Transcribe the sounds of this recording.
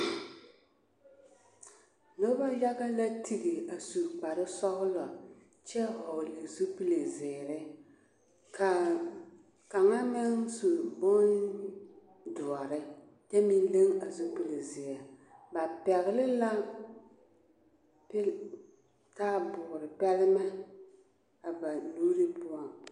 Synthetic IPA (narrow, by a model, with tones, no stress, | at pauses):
no˦ba˦ja˦ɣa˦la˦tʰi˨ɣi˨a˨su˨k͡pa˨ɾɪ˦sɔ˦ɣʊ˦lɔ˨ | t͡ʃɛ˦hɔ˨le˨zu˦pi˦le˨zɪː˨ɾɪ˦ | ka˨ | ka˨ŋa˦mɛ˦ŋsu˨bo˦n | dʊ˨ɔ˨ɾɪ˦ | jɛ˦mi˦n˦le˦ŋa˨zo˦pi˨le˨zɪ˨a˨ba˨pɛ˨ɣɪ˨lɪ˦la˦l | p | ka˦bʊ˨ɣɾɪ˨pɛ˦lɪ˦ma˦ | a˨ba˨nuː˦ɾi˦pʊ˦a˦ŋ